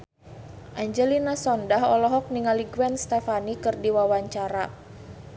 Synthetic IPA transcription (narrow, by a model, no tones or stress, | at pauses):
ʔaɲd͡ʒɛlinasɔndaɦɔlɔɦɔk̚niŋaliɡwɛnst̪ɛfanikɨrdiwawaɲt͡ʃaɾa